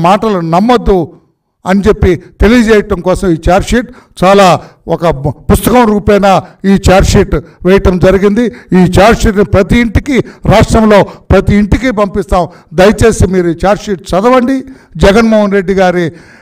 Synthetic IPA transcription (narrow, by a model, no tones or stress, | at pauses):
maːʈɐlɐnɐmːɐd̪ːu | ɐnit͡ʃe̞pːit̪e̞lijɐd͡ʒɛːjɐʈɐmkɔːsɐmiːt͡ʃaːɾʂiʈt͡ʃaːlaːɔkɐpust̪ɐkɐmɾuːpɛːnaːiːt͡ʃaːɾʂiʈʋɛːjɐʈɐmd͡ʒɐɾiɡind̪iiːt͡ʃaːɾʂiʈnipɾɐt̪iːɳʈikiɾaːʂʈɾɐmlo̞ːpɾɐt̪iːɳʈikip̬ɐmpist̪aːm | d̪ɐjɐt͡ʃe̞ːsimiːɾuiːt͡ʃaːɾʂiʈ̚t͡ʃɐd̪ɐʋɐɳɖi | d͡ʒɛɡɐnmoːɦɐnɾe̞ɖːiɡaːɾi